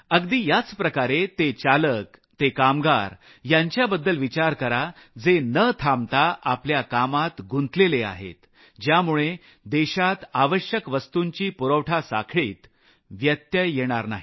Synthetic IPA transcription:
əɡd̪iːjat͡spɾəkaɾet̪et͡ɕaləkt̪ekamɡa̰ɾ | jãɲt͡ɕjabəd̪ːəlʋit͡ɕaɾkəɾa | d͡zenət̪ʰamt̪aʔapljakamat̪ɡunt̪lelea̰ɦḛt̪ | d͡ʑjamuɭe | d̪eɕat̪aʋəɕjəkʋəst̪uɲt͡ɕiːpuɾəʋʈʰasa̰kʰɭiːt̪ | ʋjət̪jəjeɽ̃aɾna̰ɦi

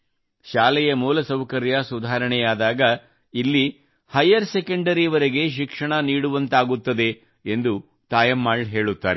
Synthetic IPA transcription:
ʃaːlɛjɐmuːlɐsɐwkɐɾjɐsud̪ʱaːɾɐɳɛjaːd̪aːɡɐ | ilːi | hɐjɐɾsekɐɳɖɐɾiʋɐɾeɡe̞ʃ̬ikʂɐɳɐniːɽuʋɐnt̪aːɡut̪ːɐd̪e̞ | end̪u | t̪aːjɐmːaːɭɦe̞ːɭut̪ːa̰ːɾe

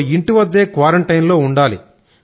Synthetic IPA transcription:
iɳʈiʋɐd̪ːe̞ːkʋaːɾeɳʈɐjnlo̞ːuɳɖaːlḭ

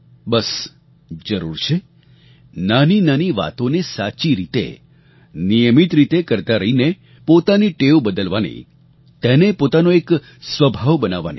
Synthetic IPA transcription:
bəs | d͡ʒəɾṵɾt͡ʃʰe | naninaniʋa̰t̪onesat͡ʃiɾit̪ḛ | nijəmit̪ɾit̪ekəɾt̪aɾəɦine | pot̪aniʈeʋobəd̪əlʋanḭ | t̪enepot̪anoek | sʋəbʱaʋbənaʋːa̰ni

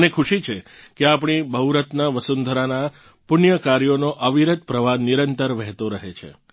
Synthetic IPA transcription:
nekʰuʃit͡ʃʰekeapɳ̃ibʱəɦuɾət̪naʋəsund̪ʱəɾana | pʊnjəkaɾjonoʔəʋiɾət̪̚pɾəʋaniɾənt̪əɾʋɛɦt̪oɾəɦet͡ʃʰḛ

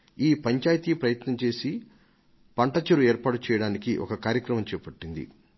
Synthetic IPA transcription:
iːpɐɲt͡ʃaːjt̪iːpɾɐjɐt̪nɐmt͡ʃe̞ːsi | pɐɳʈɐt͡ʃɐɾuɛːɾpaːʈut͡ʃɛjɐɽaːnikiʔɔ̰kɐkaːɾjɐkɾɐmɐmt͡ʃɛːpɐʈːind̪ḭ

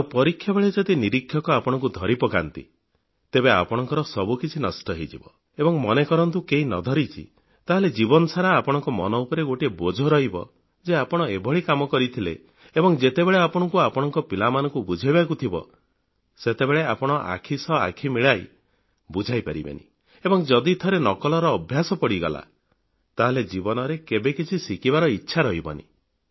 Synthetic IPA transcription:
awpɔɾikʰːjɔbeɭed͡ʒɔd̪iniɾikʰːjɔkɔapɔɽ̃ɔŋk̬ud̪ʱɔɾipɔkant̪ḭ | t̪ebea̰pɔɽ̃ɔŋkɔɾɔsɔbukit͡ʃʰinɔsʈɔɦed͡ʒibɔ | ebɔŋmɔnekɔɾɔnt̪ukeɦinɔd̪ʱɔɾit͡ʃʰḭ | t̪aɦeled͡ʒibɔnɔsaɾaːpɔɽ̃ɔŋkɔmɔ̰nɔupɔɾeɡoʈiebod͡ʒʱɔɾɔɦibɔ̰ | d͡ʒeapɔɽ̃ɔebʱɔɭikamɔkɔɾit̪ʰilḛ | ebɔŋd͡ʒet̪ebeɭeapɔɽ̃ɔŋkuapɔɽ̃ɔŋkɔpilamanɔŋkubud͡ʒʱajbak̬ut̪ʰibɔ̰ | set̪ebeɭeapɔɽ̃ɔʔa̰kʰisɔa̰kʰimiɭaj | bud͡ʒʱajpaɾḭba̰nḭ | ebɔŋd͡ʒɔd̪it̪ʰɔɾenɔkɔlɔɾɔːbʱjasɔpɔɽiɡɔla̰ | t̪aɦeled͡ʒibɔnɔɾekebekit͡ʃʰisikibaɾɔitːʃʰaɾɔɦibɔ̰nḭ

